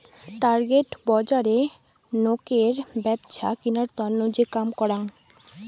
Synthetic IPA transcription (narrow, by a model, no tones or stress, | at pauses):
ʈaɾɡeʈbɔd͡ʑaɾe | nokeɾbɛbt͡ɕʰa̰kinaɾt̪ɔnːod͡ʑekamkɔɾan